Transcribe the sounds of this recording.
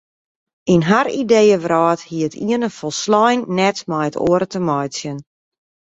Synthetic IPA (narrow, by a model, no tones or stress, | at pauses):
inɦaridejəʋrɔːthiətʰiənəfɔlˠslɔjnːɛtmajəto̰əɾətəmɔjsjən